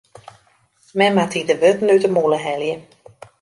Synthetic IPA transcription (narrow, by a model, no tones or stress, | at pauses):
mɛmatidəʋøtnytəmuləɦɛljə